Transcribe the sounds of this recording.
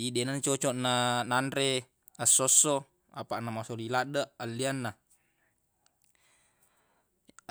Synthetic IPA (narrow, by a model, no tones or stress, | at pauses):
idenant͡ʃɔt͡ʃɔʔnanandɾe | asːɔsːɔ | apaʔnamasoliladaʔalːianːa